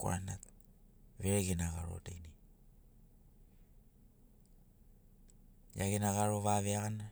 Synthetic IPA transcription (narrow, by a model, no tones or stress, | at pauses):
koa̰nat̚ | βeɾeɡenaɣaɾo̰tejni | ja̰ɡenaɣaɾo̞βaβeaɣana